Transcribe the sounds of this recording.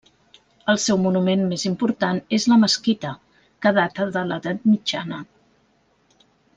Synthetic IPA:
əlˠsɛwmunumenmezimpuɾt̪anezləməskit̪ə | kəðat̪əðələðat̪̚mid͡ʒanə

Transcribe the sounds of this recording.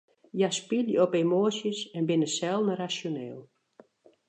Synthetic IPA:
jaspiljəɔpemoːsjəsɛnbɪnəsɛlˠdnərasjoneːlˠ

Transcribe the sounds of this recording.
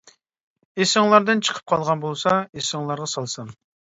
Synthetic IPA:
esɪŋlˠɑɾd̪ɨnt͡ʃʰə̥qʰə̥p̚qʰɑlˠʁɑnbolˠsɑesɪŋlˠɑɾʁɑsɑlˠsɨn

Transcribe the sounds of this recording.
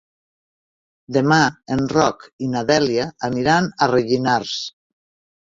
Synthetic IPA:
d̪emaenrɔkinaðɛljaːmiɾanareʒinaɾs

